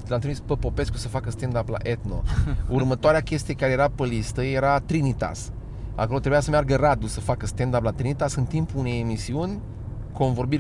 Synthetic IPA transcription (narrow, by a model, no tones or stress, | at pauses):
leanɨlmispəpo̞pe̞skusəfakəst̪end̪apla̰ʔet̪no̞̰urmət̪oaɾeakʲe̞st̪ijekaɾejeɾapəlist̪əje̞ɾat̪ɾinit̪a̰s | a̰ko̞lot̪ɾebujasəmearɡərad̪usəfakəst̪end̪aplat̪ɾinit̪asɨnt̪impuune̞jemisiunʲ | ko̞nvo̞rbir